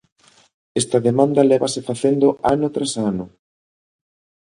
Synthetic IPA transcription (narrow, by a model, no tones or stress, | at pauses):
est̪ɐðemãnd̪ɐlɛβasefaθend̪ʊʔanʊt̪ɾasanʊ